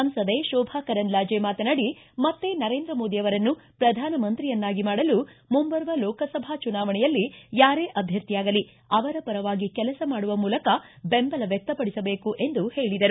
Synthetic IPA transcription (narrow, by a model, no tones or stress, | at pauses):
ɐmsɐd̪eːʃɔːbʱaːkɐɾɐnlaːd͡ʒeːmaːt̪ɐnɐɽimɐt̪ːe̞nɐɾeːnd̪ɾɐmoːd̪ijɐʋɐɾɐnːupɾɐd̪ʱaːnɐmɐnt̪ɾijɐnːaːɡimaːɽɐlumumbɐɾʋɐlɔːkɐsɐbʱaːt͡ʃunaːʋɐɳɛjɐlːijaːɾeːʔɐbʱjɐɾt̪ijaːɡɐli | ɐʋɐɾɐpɐɾɐʋaːɡikɛlɐsɐmaːɽuʋɐmuːlɐkɐbembɐlɐʋjɛk̚t̪ɐpɐɽisɐbe̞ːkuʔe̞nd̪uhe̞ːɭid̪ɐɾu